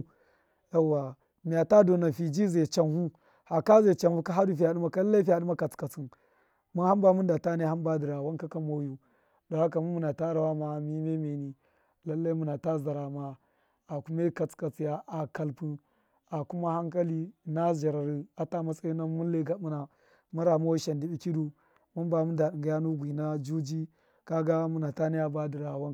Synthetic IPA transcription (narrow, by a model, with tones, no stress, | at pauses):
ja˦wa˨ | mi˨ja˨ta˦do˨na˨fi˨d͡ʒi˦ze˨t͡ʃa˨nhu˦ | ha˨ka˦ze˨t͡ʃa˨nhu˦ka˦ɦa˦du˦˨fi˦ja˨ɗu˦ma˦ka˦llːa˦fi˦ja˨ɗu˦ma˦ka˨t͡ska˨t͡si˦n | mu˦nha˦ba˦mu˦nda˨ta˦ne˦ha˦mba˦di˨ɾa˨wa˦nka˦ka˦mo˦ju˦ | do˨ha˦ka˨mu˦mu˨na˨ta˦ɾa˨wa˦ma˨mi˦me˦me˨ni˦ | la˦lːa˦mu˨na˨ta˦za˨ɾa˨ma˨ | a˨ku˦ma˦ka˦t͡ska˨t͡si˦ja˦ʔa˨ka˦lpu˦ | a˨ku˦ma˦ha˦ŋka˦li˦na˦ʒa˨ɾa˨ɾi˨a˨ta˦ma˦sa˦i˦na˦mu˦le˦ɡa˦mu˦na˨ | ma˦ɾa˨mo˦u˦ʃa˨ndi˦bi˦ki˦du˦ | ma˦mba˨mu˦nda˨ɗi˨ŋɡa˨ja˦nu˦ɡʷi˨na˦d͡ʒu˦d͡ʒi˦ | ka˦ɡa˦mu˦na˨ta˦ni˦a˦ba˦di˨ɾa˨wa˦